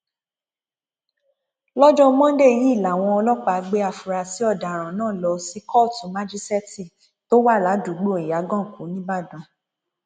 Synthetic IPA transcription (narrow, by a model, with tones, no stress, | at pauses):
lɔ˦d͡ʒɔ̃˦mɔ̃˦n̩˦de˦˨ji˨˦i˦˨la˨w̃ɔ̃˧ɔ˧lɔ˦k͡pa˦˨˧ɡ͡be˧a˨fu˨ɾa˧˨si˨˦ɔ˦˨da˨ɾ̃ã˨nãː˦˨lɔ˧si˨˦kʰɔ˦˨tu˨ma˦d͡ʒi˦stɛ˦ti˦˨ | to˦wa˦˨la˨˦du˨ɡ͡bo˦˨i˨ja˨˦ɡɔ̃˦˨kũ˨˦nĩ˦ba˦˨dũ˧˦